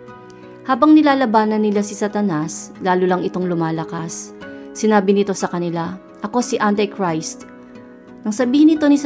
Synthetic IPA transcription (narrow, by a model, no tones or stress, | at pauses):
haːbɐŋnɪlaːlɐbaːnɐnːɪlasɪsat̪ɐnaslaːlʊlɐŋɪt̪o̞ŋlʊmaːlɐkasːɪnaːbɪnɪt̪o̞sɐkɐnɪla | ʔɐko̞sɪʔant̪ɐkɹajst̪̚ | nɐŋsɐbiːhɪnɪt̪o̞nɪs